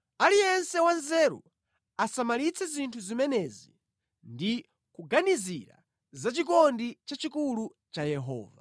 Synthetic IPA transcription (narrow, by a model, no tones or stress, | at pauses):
alijɛnsɛwanzɛːɾṵ | asamalit͡sʰɛzintʰuzimɛnɛzi | ndi | kuɡaniziɾa̰ | zat͡ʃikɔndit͡ʃat͡ʃikulu | t͡ʃajɛɦɔ̰ːva̰